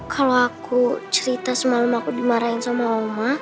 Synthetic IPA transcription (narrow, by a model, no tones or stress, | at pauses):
kʰaloakut͡ʃəɾit̪asəmaləmakudimaɾainsamaɔma